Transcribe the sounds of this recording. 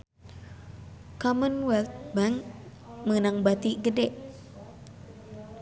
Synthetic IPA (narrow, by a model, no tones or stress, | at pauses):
kɔmənwɛlt̪̚baŋ | mənaŋbat̪iɡədɛʔ